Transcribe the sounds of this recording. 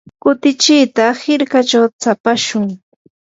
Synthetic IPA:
kʊt̪ɪt͡ʃɪːt̪ahɪɾkat͡ʃawt͡sapaʃʊŋ

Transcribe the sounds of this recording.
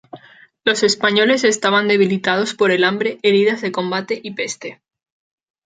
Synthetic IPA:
lo̞se̞spaɲo̞le̞se̞st̪aβ̞and̪e̞β̞ilit̪að̞o̞spo̞ɾe̞lambɾe̞ʔeɾiðazðe̞kõ̞mbat̪e̞ʔipe̞st̪e̞

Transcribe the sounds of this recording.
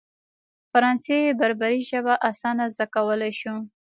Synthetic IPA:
faɾɑnsejebaɾbaɾiʒəbaʔasɑnazd̪akawəlajʃu

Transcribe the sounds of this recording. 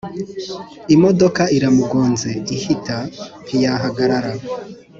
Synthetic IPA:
imo̞dokaiɾamuɡoːnzeihitʰapijaɦaɡaɾaɾa

